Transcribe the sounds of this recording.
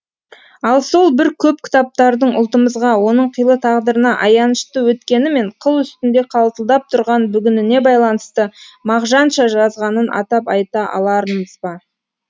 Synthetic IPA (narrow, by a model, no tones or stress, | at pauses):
ɑlˠso̞lˠbɪɾkʲʰɵpkʲʰɪ̥t̪ɑp̚t̪ɑɾd̪əɴʊ̰lˠt̪əməzʁɑwo̞nəɴqʰijlˠət̪ʰɑʁd̪əɾənɑʔɑjɑnəʃt̪əwɵt̪kʲe̞nɪme̞ɴqʰəlˠʏst̪ɪnd̪e̞qʰɑlˠt̪əlˠd̪ɑp̚t̪ʰʊɾʁɑnbʏɡʲɪnɪne̞bɑjlˠɑnəst̪əmɑʁʒɑnʃɑʒɑzʁɑnənʔɑ̰t̪ɑpɑjt̪ɑʔɑ̰lˠɑɾənəzbɑ